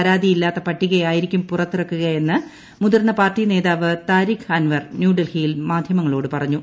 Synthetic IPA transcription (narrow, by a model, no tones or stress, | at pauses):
ɐɾaːd̪ijilːaːt̪ːɐpɐʈːiɣɐjaːjiɾikʲːumpurɐt̪ːirɐkːuɣɐe̞nːɨ | muðɐrnːɐpaːrʈineːðaːʋɨt̪aːɾikaːnʋɐrnjuːɖelhijilmaːd̪ʱjɐmɐŋːɐɭo̞ːɽɨpɐrɐɲːu